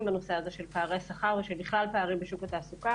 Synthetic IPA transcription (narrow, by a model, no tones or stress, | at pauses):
mbano̞seaze̞ʃe̞lpaːʁejasaχaʁveʃelbiχlalpaaʁimbeʃukat̪aːsuka